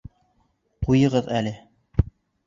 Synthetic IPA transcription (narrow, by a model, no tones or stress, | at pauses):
qujɤ̆ʁɤðælɘ